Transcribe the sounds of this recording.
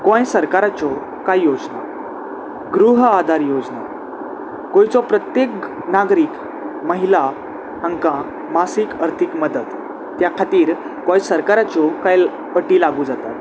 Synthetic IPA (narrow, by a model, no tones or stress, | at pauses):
kõjsəɾkaɾat͡sɔ | kajjod͡zna | ɡɾuɦad̪ʱaɾjod͡zna | kõjt͡sɔpɾət̪jek | naɡɾiːk | məɦila | ãŋkã | masikəɾt̪ʰikməd̪ət̪ː | jakʰat̪iːɾ | kɔ̃jsəɾkaɾat͡sɔkajl | əʈiːlaɡud͡zat̪at̪